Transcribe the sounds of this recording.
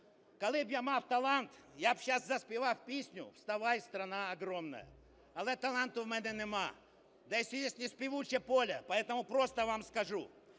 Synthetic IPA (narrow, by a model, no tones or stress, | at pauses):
kɐlˠɨbjamaft̪ɐlˠant̪jabɕaszɐspʲɪvafʲpʲesʲnʲʊ̰fst̪ɐvajst̪ɾɐnaɐɡɾomnə̰jə̰ | ɐlˠɛt̪ɐlˠant̪ʊvmɛnʲɛnɪma | d̪ɐjesʲɪjesʲt̪ʲnʲɪspʲɪvut͡ɕəpolʲɐpɐɛt̪əmʊpɾost̪əvamskɐʐu